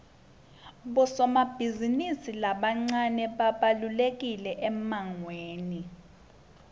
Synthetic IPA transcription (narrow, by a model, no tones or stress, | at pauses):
ɓɔsɔmab̥ʱizinisilaɓaŋ͡ǀanɛɓaɓalulek̬ilɛʔɛmaŋweːni